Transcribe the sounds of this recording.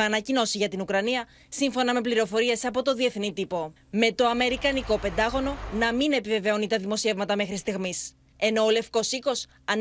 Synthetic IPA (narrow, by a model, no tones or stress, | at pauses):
ɐnɐcino̞siʝɐt̪inukɾɐniɐ | siɱfo̞nɐme̞pliɾo̞fo̞ɾie̞sɐpo̞t̪o̞ðie̞θnit̪ipo̞ | me̞t̪o̞ɐme̞ɾikɐniko̞pe̞nd̪ɐɣo̞no̞nɐmine̞pive̞ve̞o̞nit̪ɐðimo̞sie̞vmɐt̪ɐme̞xɾist̪iɣmis | e̞no̞ːle̞fko̞siko̞s | ɐn